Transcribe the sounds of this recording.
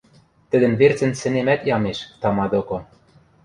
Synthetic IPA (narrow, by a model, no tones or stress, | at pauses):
t̪ɘ̆d̪ɘ̆nβert͡sɘ̆nsɘ̆nemæt̪jɑmeʃt̪ɑmɑd̪oko